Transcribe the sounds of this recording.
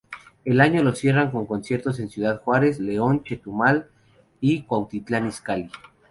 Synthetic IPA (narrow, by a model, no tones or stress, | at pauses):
e̞laɲo̞lo̞sje̞raŋko̞ŋko̞nsje̞ɾt̪o̞s̬e̞nsjuðaðxwaɾe̞sle̞o̞nt͡ʃet̪umal | ikwawt̪it̪laniskali